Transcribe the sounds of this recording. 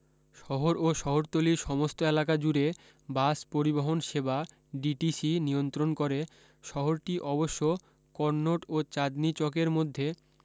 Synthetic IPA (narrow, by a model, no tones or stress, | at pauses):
ʃɔɦoɾoʃɔɦoɾt̪oliɾʃɔmost̪oelakad͡ʑuɾe | baspoɾiboɦonʃeba | ɖiʈisinijont̪ɾonkoɾe | ʃɔɦoɾʈiʔɔboʃːo | kɔɾnoʈot͡ɕad̪nit͡ɕokeɾmod̪ʱːe